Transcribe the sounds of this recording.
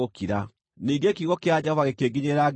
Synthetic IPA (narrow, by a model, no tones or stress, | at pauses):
okiɾa | niːɡekiɣɔkead͡ʑaβaɣekeːɡiɲeɾaɡ